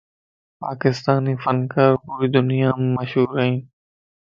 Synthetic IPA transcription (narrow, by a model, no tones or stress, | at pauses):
paːkɪst̪aːniːfənkəɾpʊɾiːd̪ʊnijaːmːəʃɦuːɾəɦĩː